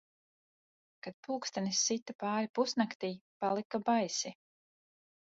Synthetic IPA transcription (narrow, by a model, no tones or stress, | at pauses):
kad̪̥̚puːkst̪anisːit̪ːapaːɾipusnakt̪iːpalˠikabajsi